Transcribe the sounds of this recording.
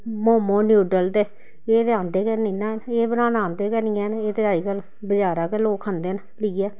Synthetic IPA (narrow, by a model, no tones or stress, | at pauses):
moːmõːnjuːʈəlt̪eː | eːt̪ãːnd̪eːkəɾnĩːnãːneːbənãːnãːnd̪eːkəɾniɛːneːt̪eːaːiːkəl | bəd͡ʒaːɾaːkeloːkʰãnd̪eːn | ləiːɛː